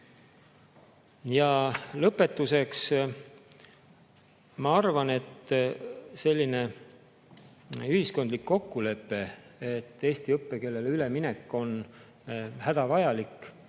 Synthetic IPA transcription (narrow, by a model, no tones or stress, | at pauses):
jɑlɤpːˑe̞t̪ːˑuse̞ks | mɑɑrvɑne̞t̪ː | se̞lʲːine̞ | yhisko̞nd̪likːo̞kːule̞pːe̞et̪ːe̞ːsʲt̪iɤpːe̞ke̞lːe̞leyle̞mine̞kːˑo̞n | hæd̪̥ɑvɑjɑlikˑː